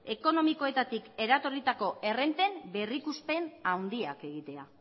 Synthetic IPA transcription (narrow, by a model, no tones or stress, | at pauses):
e̞ko̞no̞miko̞e̞t̪at̪ike̞ɾat̪o̞rit̪ako̞ʔe̞re̞nt̪e̞mbe̞rikuspe̞nawnd̪iake̞ɣ̞it̪e̞a̰